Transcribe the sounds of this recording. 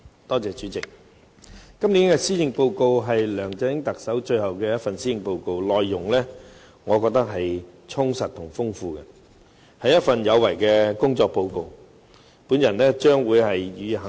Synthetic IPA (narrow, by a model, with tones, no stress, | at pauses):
t̪ɔː˥t͡sɛː˨t͡ʃyː˨˥t͡sɪ˨k̚ | kɐ˥mniː˨˥nkɛː˧siː˥jɪ˨˧ŋpo˧wko˧wɦɐ˨jlœː˨˩ŋt͡sɛː˨˧˥ɪ˥ŋt̪ɐ˨k̚sɐ˨˥wt͡ʃɵ˧ɥhɐ˨wkɛː˧jɐ˥t̚fɐ˨nsiː˥jɪ˨˧ŋpo˧wko˧wlɔː˨jːʊ˨˩ŋlɛː˥ | ŋɔː˨˧kɔː˧k̚t̪ɐ˥k̚ɦɐ˨jt͡sʰʊ˥ŋsɐ˨t̪̚ʰʊ˨˩ŋfʊ˥ŋfuː˧kɛ˧ | hɐ˨˥jɐ˥t̚fɐ˨njɐ˨˧wːɐ˨˩jkɛː˧kʊ˥ŋt͡sɔː˧k̚po˧wko˧w | puː˨˥njɐ˨˩nlɛː˥t͡ʃœː˥ŋwuː˨˧jhɐ˨jɥyː˨˧ɦɐ˨